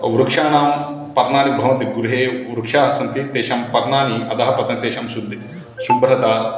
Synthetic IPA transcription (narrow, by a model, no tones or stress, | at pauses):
ʋɾukʂaːnaːm | pɐɾɳaːnibʱɐʋɐnt̪iɡuɾuɦeːʋɾukʂaːɦɐsɐnt̪it̪eːʃɐmpɐɾɳaːniɐd̪ɐɦɐpɐt̪nɐt̪eːʃɐmsud̪ʱːi | sumbɾɐt̪aː